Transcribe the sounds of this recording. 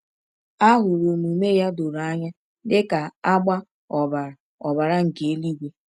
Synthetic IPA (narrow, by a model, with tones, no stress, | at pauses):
a˦ɦʊ˨ɾʊ˨mu˨me˦ja˦do˨ɾa˦ɲa˦ | dɪ˦ka˨a˦ɡ͡ba˦ | ɔ˨ba˨ɾa˨ | ɔ˨ba˨ɾa˦ŋ̩˨ke˨e˦li˦ɡʷe˦